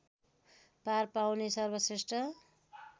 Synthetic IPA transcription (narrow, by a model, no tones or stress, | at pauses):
parpawnesʌrbʌsesʈʰʌ